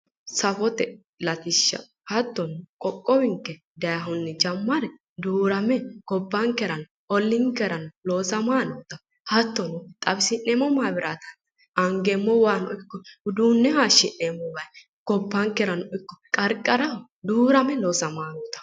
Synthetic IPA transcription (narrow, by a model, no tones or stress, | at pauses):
sɐfɔt̪ɛ | lɐt̪ɪʃːɐ̰ | hɐt̪ːɔnʊkʼɔkʼːɔwɪŋkːɛ | d̪ɐjɐɦʊnːɛd͡ʒɐmːɐɾɛ | d̪uːɾɐmɛɡ̥ɔbːɐŋkːɛɾɐn | ɔlːɪŋkːɛɾɐnʊlo̞ːsɐmaːnɔːt̪ɐ | hɐt̪ːɔnʊt̪ʼɐbsɪnːɛmɔmaːbɪɾaːt̪ɐ̥n | ɐŋɡɛmːɔwaːnɔɪkːɔʊd̪uːnːɛhaːʃːɪnːɛmːɔwɐj | ɡ̥ɔbːɐŋkɛɾɐnɔɪkːɔ̥kʼɐɾkʼːɐɾɐ | d̪uːɾɐmɛloːsɐmaːnoːt̪ɐ̥